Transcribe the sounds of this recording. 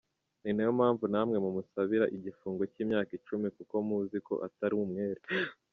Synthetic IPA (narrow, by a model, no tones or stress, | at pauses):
ninejomaːɱvunamŋe̞mumusaβiɾa̰ʔiɟifuːŋɡo̞ciːmɲaːkit͡ʃumikuko̞muːziko̞̰ʔa̰taɾumŋeːɾe